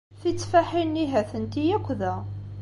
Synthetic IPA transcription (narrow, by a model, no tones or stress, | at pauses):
θit͡sːfaħinːiɦæθənt̪ijækʷːðæ